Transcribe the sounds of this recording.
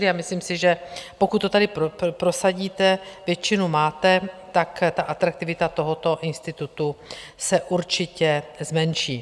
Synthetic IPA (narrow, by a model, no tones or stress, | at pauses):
ɾɪamɪsliːmsɪʒɛpo̞kut̪ːot̪adɪpɾo̞saɟiːt̪ɛvjɛt͡ʃɪnumaːt̪ɛt̪akt̪aʔat̪ɾak̚t̪ɪvɪt̪at̪o̞ɦo̞t̪o̞ʔɪnst̪ɪt̪ut̪usɛʔuɾt͡ʃɪcɛzmɛnʃiː